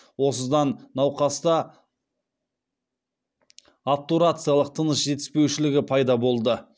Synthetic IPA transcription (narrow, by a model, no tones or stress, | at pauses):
wo̞səzd̪ɑnːɑwqɑst̪ɑ | ap̚t̪uɾat̪sɨjalˠəq̚t̪ʰənəsʒ̥e̞t̪ɪ̥spe̞wʃɪlɪɡʲɪpʰɑjd̪ɑbo̞lˠd̪ə